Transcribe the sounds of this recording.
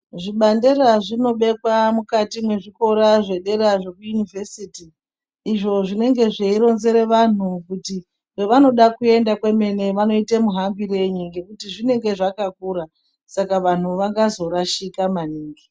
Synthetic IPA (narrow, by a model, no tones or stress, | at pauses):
ʐiɓanderaʐino̞ɓe̞kwamukatimwe̞ʐiko̞ɾaʐe̞ɗe̞ɾaʐe̞kujunivʱesitiː | ʐo̞ʐine̞ŋɡe̞ʐeiɾo̞nze̞ɾe̞ʋan̤ukuti | weʋano̞ɗakue̞ndakwe̞me̞ne̞ʋano̞itemuɦambiɾe̞ɲuŋɡe̞kutiʐine̞ŋɡe̞ʐakakuɾa | sakaʋan̤uʋaŋɡazo̞ɾaʃikamaniːŋɡi